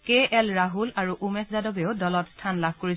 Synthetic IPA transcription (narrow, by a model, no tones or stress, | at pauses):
keɛlɹaɦulaɹuʔumɛszadɔbeʊdɔlɔtstʰanlab̚ʱkoɹi